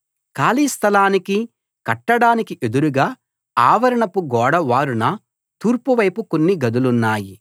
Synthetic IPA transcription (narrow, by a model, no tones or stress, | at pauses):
kaːliːst̪ʰɐlaːniki | kɐʈːɐɽaːnikiʔed̪uɾuɡaː | aːʋɐɾɐɳɐpuɡɔːɽɐʋaːɾunɐ | t̪uːɾpuʋɐjpuko̞nːiɡɐd̪ulunːaːji